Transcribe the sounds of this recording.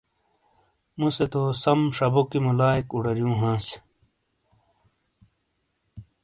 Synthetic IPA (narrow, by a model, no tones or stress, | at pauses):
muset̪oːsɐmʂɐbokimɐlaːikuɽɐɾjũːɦãːs